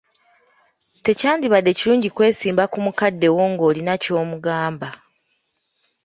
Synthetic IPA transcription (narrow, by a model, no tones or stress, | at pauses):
te̞caːndiβadːe̞ciɾuːɲɟikwe̞ːsiːmbakumukadːe̞wo̞ŋɡo̞ːlinaco̞ːmuɡaːmba